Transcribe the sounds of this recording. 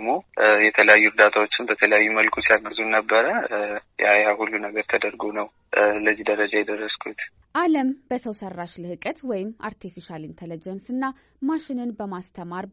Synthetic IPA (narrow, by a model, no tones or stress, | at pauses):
ɡmojɛt̪ʰələjajːuʊɾd̪at̪ʰawo̞t͡ʃːɪnbət̪ʰələjajːuməlkʰusijalnəzunəbːəɾəjajahulːunəɡəɾt̪ʰəd̪əɾɡonəw | ləzːihd̪əɾəd͡ʒajɛd̪ərːəskʰut̪ | ʔaləmb̥əsəwsərːaʃlɨhɨkʼət̪wɔjɪma̰ɾt̪ʰifiʃalint̪ʰelid͡ʒɛnsɨnːa | maʃɪnɨnbəmast̪ʰəmaɾ